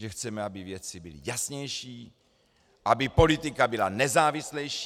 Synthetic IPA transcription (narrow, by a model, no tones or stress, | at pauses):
ʒɛxt͡sɛmɛabɪvjɛt͡sɪbɪlɪ̰jasɲɛjʃiː | ʔabɪpo̞lɪt̪ɪkabɪlanɛzaːvɪslɛjʃ